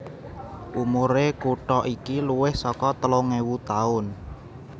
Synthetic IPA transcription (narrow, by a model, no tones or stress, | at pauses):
ʔumuɾekuʈɔʔikiluwɪhsɔkɔt̪əloŋewut̪aʊn